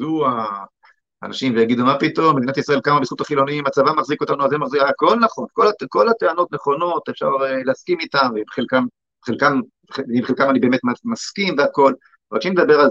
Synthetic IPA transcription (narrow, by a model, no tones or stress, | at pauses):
zua̰ː | naʃimvejaɡid̪umapit̪o̞mːed̪inatisʁaelkamabeisχut̪aχilo̞nimat͡savamaχziko̞t̪anuazemaχzikako̞lnaχo̞nkolako̞lat̪eano̞tne̞χo̞no̞t̪efʃa̰ʁeleaskimitamveibeχelkam | beχelkam | ibχelkamanibe̞ːmetmamaskimveako̞l | ʁat͡ʃimled̪abe̞ʁal